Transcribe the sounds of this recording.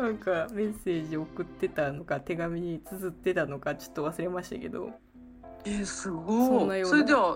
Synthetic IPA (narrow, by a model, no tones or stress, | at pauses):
nãŋkame̞se̞ːʑiokɯ̟t̪ːe̞t̪ano̞kat̪e̞ɡamʲiɲ̟it͡sɨzɨt̪ːe̞t̪ano̞kat͡ɕo̥t̪ːo̞βasɨɾe̞maɕi̥t̪a̰ke̞d̪o̰ | esɨɡosonːajosːɾed̪emo